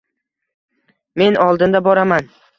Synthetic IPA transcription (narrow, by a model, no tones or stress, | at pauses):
me̞nɒlˠd̪ɪnd̪abɒɾaman